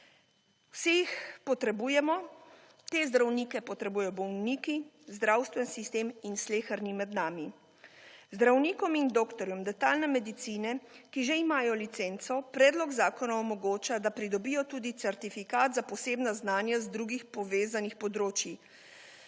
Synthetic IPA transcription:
wsixpɔt̪ɾɛbujɛmɔ | t̪eːzd̪ɾawniːkɛpɔt̪ɾɛbuːjɔbɔwniːki | zd̪ɾawst̪ʋɛnsist̪eːminsleːxəɾnimɛd̪naːmi | zd̪ɾawniːkɔmind̪oːkt̪ɔɾjɔmd̪ɛt̪aːlnɛmɛd̪it̪siːnɛkiʒeimaːjɔlit̪sent̪sɔpɾɛːd̪lɔɡzaːkɔnaɔmɔɡoːt͡ʃad̪apɾid̪ɔbijɔt̪uːd̪it̪sɛɾt̪ifikaːt̪zapɔseːbnaznaːnjazd̪ɾuɡixpɔʋeːzanixpɔd̪ɾoːt͡ʃji

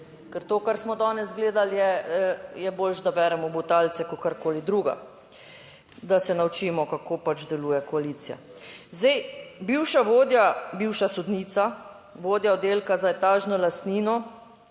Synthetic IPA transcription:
kɛɾt̪oːkaɾsmɔd̪ɔːnɛzɡleːd̪aljɛ | jɛboːlʒd̪abɛɾɛmɔbut̪alt̪sɛkɔkaɾkoːlid̪ɾuːɡa̰ | d̪asɛnawt͡ʃiːmɔkakoːpat͡ʃd̪ɛluːjɛkɔaliːt̪sija̰ | zd̪ajbiwʃaʋoːd̪jabiwʃasud̪niːt̪sa | ʋoːd̪jaod̪eːlkazaɛt̪aːʒnɔlast̪niːnɔ

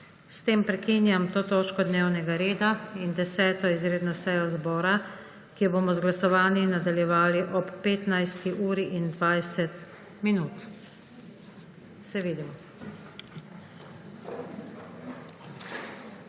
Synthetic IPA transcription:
st̪eːmpɾɛkiːnjamt̪oːt̪oːt͡ʃkɔd̪neːwnɛɡaɾeːd̪aind̪ɛsɛːt̪ɔizɾeːd̪nɔsɛjɔzbɔːɾa | kiɛboːmɔzɡlasɔʋaːnjinad̪aljɛʋaːliʔɔpːeːt̪najst̪iʔuːɾiʔind̪ʋajsɛt̪ | minuːt̪ | sɛʋiːd̪imɔ

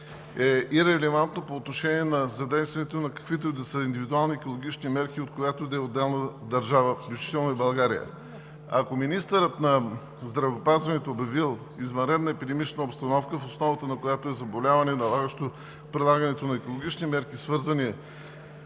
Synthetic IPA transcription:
ɛiɾɛlɛvant̪nopoːt̪noʃɛnʲiɛnɐzɐd̪ɛjst̪vʲiənɛt̪onɐkɐ̥kvit̪od̪ɐsəind̪ivid̪ualˠniɛkolˠoɡ̟ʲit͡ʃnimɛɾkiot̪kojat̪od̪ɐɛod̪ːɛlˠnəd̪ɐɾʒavəfklʲut͡ʃi̥t̪ɛlˠnoibɐlˠɡaɾijə̰ | ɐkominist̪əɾət̪nɐ | zd̪ɾɐvɛopazvɐnɛt̪oːbjɐvilˠ | izvɐnɾɛd̪nɐɛpid̪ɛmit͡ʃnəopst̪ɐnɔfkəfosnɔvət̪ənɐkojat̪oɛzɐbolʲavɐnɛnɐlˠaɡəʃt̪o | pɾilˠaɡənɛt̪onɐɛkoʊlˠoɡʲit͡ʃnimɛɾkisvɤɾzɐniɛ

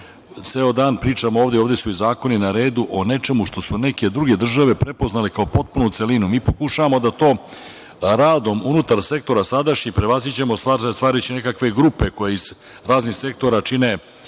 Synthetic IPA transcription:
t̪seːo̞d̪aːnpɾiːt͡ʂamoo̞ːʋd̪eoʋd̪e̞suizaːko̞ninaɾe̞ːd̪uʔo̞ne̞t͡ʂe̞muʂt̪o̞sune̞ke̞d̪ɾuɡe̞d̪r̩ʒaʋe̞pɾe̞po̞znalekao̞po̞t̪̚punut̪se̞linumiːpokuʃaʋamo̞d̪at̪o̞ː | ɾaːd̪o̞munut̪aɾsek̚t̪o̞ɾasad̪aʃɲipɾeʋazit͡ɕe̞most̪ast̪ʋaːɾit͡ɕine̞kakʋe̞ɡɾupe̞ko̞jeiz̥ | ɾaːznixse̞k̚t̪o̞ɾat͡ʃine̞

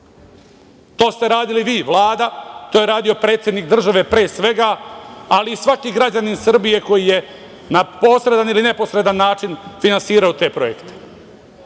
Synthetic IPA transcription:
t̪o̞ːst̪e̞ɾaːd̪iliʋiːʋlˠaːd̪at̪oːje̞ɾaːd̪io̞pɾe̞ːt̪sʲjed̪nikd̪r̩ʒaʋe̞pɾeːsʋe̞ɡaaliːsʋakiːɡɾad͡ʑaninsr̩bije̞ko̞jije̞ | napo̞sɾe̞d̪aniline̞po̞sɾe̞d̪anːaːt͡ʃinfinansiːɾaot̪e̞ːpɾojḛkt̪e̥

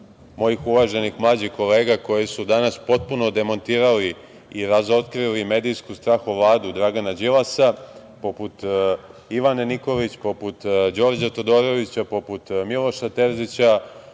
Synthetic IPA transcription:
mo̞jixuʋaʒenixmlˠaːd͡ʑixko̞leːɡako̞jesud̪anaspo̞t̪̚puno̞d̪e̞mo̞nt̪iːɾali | iɾazo̞t̪kɾilime̞ːd̪ijskust̪ɾaːxuʋlˠaːd̪ud̪ɾaɡanad͡ʑilasa | po̞put̪ | iʋaneniko̞lit͡ɕpo̞put̪d͡ʑo̞ɾd͡ʑat̪o̞d̪o̞ɾo̞ʋit͡ɕapo̞put̪milo̞ʃat̪e̞ɾzit͡ɕa

